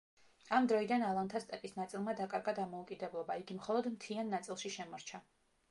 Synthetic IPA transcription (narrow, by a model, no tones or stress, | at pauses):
amd̪ɾɔid̪analˠant̪ʰast̪ʼɛpʼisnat̪sʼilˠmad̪akʼaɾɡad̪amɔukʼid̪ɛblˠɔbaiɡimχɔlˠɔd̪mt̪ʰianːat̪sʼilˠʃiʃɛmɔɾt͡ʃʰa